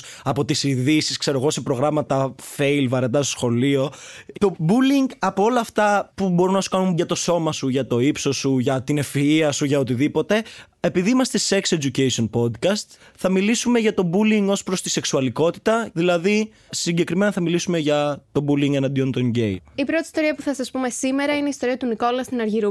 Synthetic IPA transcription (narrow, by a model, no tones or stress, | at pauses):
ɐpo̞t̪isiðisiskse̞ɾoɣo̞se̞pɾo̞ɣɾɐmɐt̪ɐfe̞ilvɐɾed̪ɐs̬t̪osxo̞lio̞t̪o̞buliŋɡɐpoolɐːft̪ɐpubo̞ɾunɐsu̥kɐnunʝɐt̪o̞so̞mɐsuʝɐt̪o̞ipso̞suʝɐt̪ine̞fiiɐsuʝɐot̪iðipo̞t̪e̞ | e̞piðiimɐst̪e̞se̞kse̞d͡ʒucesio̞npo̞d̪kɐst̪ | θɐmilisume̞ʝɐt̪o̞buliŋɡo̞spɾo̞st̪i̥se̞ksuɐliko̞t̪i̥t̪ɐðilɐði | siɲɟe̞kɾime̞nɐθɐmilisume̞ʝɐt̪o̞buliŋɡenɐnd̪iont̪onɟejipɾo̞t̪ist̪o̞ɾiɐpuθɐsɐspume̞sime̞ɾɐine̞ist̪oɾiɐt̪uniko̞lɐst̪inɐɾʝiɾu